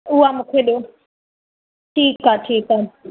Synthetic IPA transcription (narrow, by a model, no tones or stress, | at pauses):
uwamʊkʰweɗo | tʰiːkatʰiːka